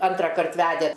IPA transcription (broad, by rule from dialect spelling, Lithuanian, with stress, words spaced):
ˈɐntrɐkɐrt ˈʋʲædʲɛ